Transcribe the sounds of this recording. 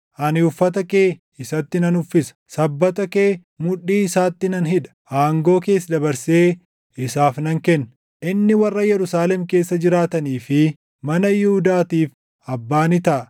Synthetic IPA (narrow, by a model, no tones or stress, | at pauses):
ʔɐnɪʊfːɐt̪ɐke̞ː | ɪsɐt̪ːɪnɐnʊfːɪsɐ̥sɐbːɐt̪ɐke̞ː | mʊᶑːiːɪsaːt̪ːɪnɐnɦɪᶑ̪ɐ̥ʔaːŋɡo̞ːke̞ːs̬ːd̪ɐbɐɾseː | ɪsaːfnɐŋkɛnːɐ | ʔɪnːɪwɐrːɐjɛɾʊsaːlɛmke̞ːsːɐd͡ʒɪɾaːt̪ɐniːfɪ | mɐnɐjɪhʊd̪aːt̪iːf | ɐbːaːnɪt̪ɐʔɐ